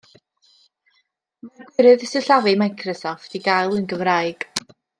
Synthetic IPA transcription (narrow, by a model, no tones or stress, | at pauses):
marɡwɪɾɨðsɨɬavɨmajkʰrɔsɔftiɡajlˠənɡəvraɨɡ̥